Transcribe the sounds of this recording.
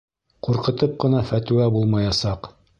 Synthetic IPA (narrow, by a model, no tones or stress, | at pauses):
quɾqɤ̆t̪ɤp̚qɤ̆nɑfæt̪ʉ̆æbulˠmɑjɑsɑq